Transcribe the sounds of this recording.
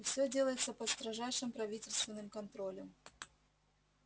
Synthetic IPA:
fsʲɵdʲelˠəjɪt̪səpəst̪ɾɐʐajʂɨmpɾɐvʲitʲɪlʲst̪vʲɪnːɨmkɐnt̪ɾolʲəm

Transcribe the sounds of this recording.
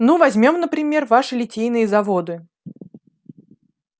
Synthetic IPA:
nuvɐzʲmʲo̞mnəpɾʲɪmʲe̞rvaʂɨlʲɪtʲejnɨjəzɐvo̞d̪ɨ

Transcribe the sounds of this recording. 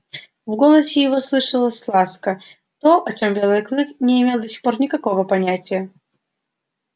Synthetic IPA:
vɡo̞lˠəsʲɪjɪvoslˠɨʂəlˠəsʲslˠat̪skə | t̪o̞ʔɐt͡ɕo̞mbʲe̞lˠɨjklˠɨknʲɪɪmʲe̞lˠd̪əsʲɪ̥xpo̞rnʲɪkɐko̞vəpɐnʲætʲɪjə

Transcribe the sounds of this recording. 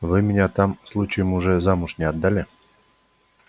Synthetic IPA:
vɨmʲɪnʲat̪amslˠut͡ɕɪjəmʊʐɛzamʊʂnʲɪɐd̪ːalʲɪ

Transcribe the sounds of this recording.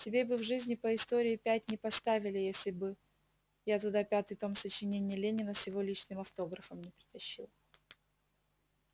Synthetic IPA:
tʲɪbʲebɨvʐɨzʲnʲɪpəɪst̪oɾʲɪɪpʲæt̚ʲnʲɪpɐst̪avʲɪlʲɪjesʲlʲɪbɨ | jat̪ʊd̪apʲat̪ɨjt̪o̞msət͡ɕɪnʲenʲɪjəlʲenʲɪnəsjɪvo̞lʲit͡ɕnɨmɐft̪o̞ɡɾəfəmnʲɪpɾʲɪt̪ɐɕːilˠ

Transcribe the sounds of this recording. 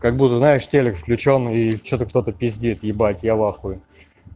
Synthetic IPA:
kaɡ̚but̪əznaɪʂtʲelʲɪkfklʲʉt͡ɕonit͡ɕot̪əkt̪o̞t̪əpʲɪzʲdʲit̪jɪbatʲjalaxʊj

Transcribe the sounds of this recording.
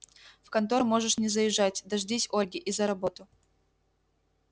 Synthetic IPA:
fkɐnt̪oɾmo̞ʐɨʂnʲɪzəjɪʐːatʲd̪ɐʐdʲisʲolʲɡʲɪʔizɐɾɐbo̞t̪ʊ

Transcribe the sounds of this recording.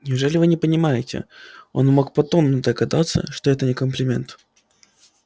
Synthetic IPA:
nʲɪʊʐɛlʲɪvɨnʲɪpənʲɪmajɪtʲɪ̰o̞̰nmo̞k̚pɐt̪o̞nːəd̪əɡɐd̪at̪sːə̰ʂt̪oɛt̪ənʲɪkəmplʲɪmʲe̞̰nt̪

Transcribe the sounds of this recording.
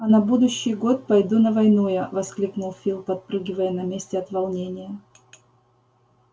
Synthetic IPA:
ɐnɐbud̪ʊɕːɪjɡo̞t̪̚pɐjd̪unəvɐjnujavɐsklʲiknʊlˠfʲilˠpɐt̪̚pɾɨɡʲɪvəjənɐmʲesʲtʲɪɐt̪vɐlˠnʲenʲɪjə

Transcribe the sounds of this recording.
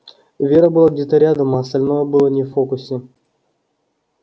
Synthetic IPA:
vʲeɾəbɨlˠaɡdʲet̪ɐɾʲɪad̪əmɐst̪alʲnovəbɨlˠənʲeffokʊsʲe

